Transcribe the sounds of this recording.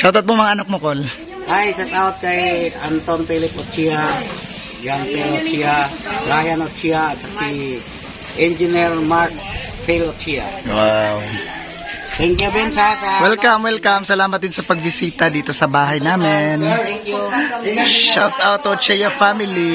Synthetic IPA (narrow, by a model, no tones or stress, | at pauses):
ʃawt̪at̪̚momɐŋaʔɐnak̚mokol | ʔajsɛt̪awt̪̚kɐjant̪onfilɪpot̚t͡ʃia | ɡanp̪ɛnot͡ʃiaɾajanot͡ʃiaːt̪̚t͡ʃɐkai | ʔɛnd͡ʒɪnɛɾmaɹk̚ | filot͡ʃia̰waw | t̪ɛŋkjubɛnsasɛwɛlkamwɛlkamsɐlaːmɐt̪̚d̪ɪnsɐpɐɡ̚bɪsiːt̪ɐd̪iːt̪o̞sɐbaːɦɐjnaːmɪnk | ʃawt̪awt̪ot͡ʃɛjɐfamɪli